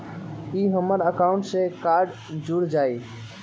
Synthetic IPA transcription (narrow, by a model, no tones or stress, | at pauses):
iɦəməɾəkaʊ̃ɳʈsẽkaɾɖ | d͡ʒuɽd͡ʒai